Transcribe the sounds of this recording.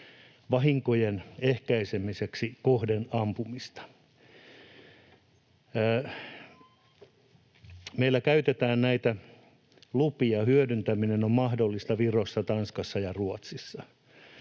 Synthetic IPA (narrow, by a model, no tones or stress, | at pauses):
ʋɑɦiŋkojenehkæisemiseksikohdenɑmpumist̪ɑ̥ | meilːˑækæyt̪et̪æːnnæit̪æ | lupiɑhyødynt̪æminenommɑhdolːist̪ɑʋirosːɑt̪ɑnskɑsːɑjɑruot̪sisːɑ